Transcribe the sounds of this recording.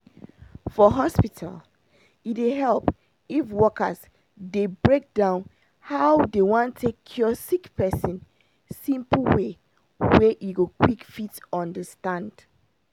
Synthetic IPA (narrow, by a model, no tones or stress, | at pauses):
fɔɦɔspitʰa̰l | itweɦɛlˠp | ifwɔkə̰z | debɹek̚dãʊ̃n | haʊdewãntʰːekʰːjɔsikpʰɛsə̃n | sĩmpl̩we | wɛʔiɡokʰwikfitɔ̃ndəstãnd̥